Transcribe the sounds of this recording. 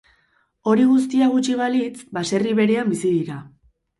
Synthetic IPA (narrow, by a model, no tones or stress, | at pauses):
o̞ɾiɣ̞us̬t̪iaɣut͡ʃiβalit͡sbase̞riβe̞ɾe̞ambisiðiɾa